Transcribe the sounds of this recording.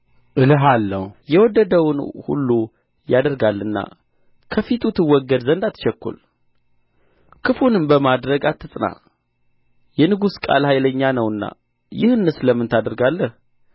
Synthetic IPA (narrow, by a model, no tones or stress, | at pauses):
ʔɨlɨɦalːəhujɛwɔd̪ːəd̪əwʊnhṵlːu | jad̪əɾɡalːɨnːa̰ | kʰəfit̪ʰut̪ʰɨwːɔɡːəd̪zənd̪at̪ʰːʃɛkːṵl | kʰɨfunɨmbəmad̪ɾəɡat̪ːɨsʼna̰ | jɛnɨɡuskʼa̰lhajləɲːanəwɨnːa̰ | jɪhɨnːɨsləmːɨnt̪ʰad̪əɾɡalːəh